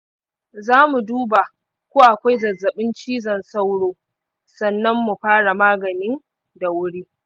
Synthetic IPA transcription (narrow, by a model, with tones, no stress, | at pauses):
zaː˦mu˨duː˦ba˨ | kʷoː˦wʔa˨kʷa˦jzɐ˨zːɐ˨ɓɪ˦nt͡ʃiː˦zɐ˨nsa˦wɽoː˦ | sɐ˦nːɐ˦mːu˨ɸaː˦ɽa˨maː˦ɡɐ˨nɪ˦n | da˨wʊ˦ɽiː˦